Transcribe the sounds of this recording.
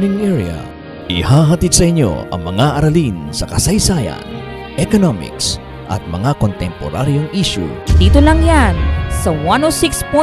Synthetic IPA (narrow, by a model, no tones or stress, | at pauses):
nɪŋʔɛɹɐ̰ | ʔɪhaɦɐt̪id̪̚sɐʔɪɲːo̰ɐ̰ŋmɐŋaʔɐɾɐlinsɐkɐsɐjsajɐ̰n | ʔɛkonomɪ̰ks | ʔɐ̰t̪̚mɐŋakont̪ɛmpo̰ɾaɾjoŋʔiʃʊ̰d̪iːt̪olɐŋjansɐwanowsikspu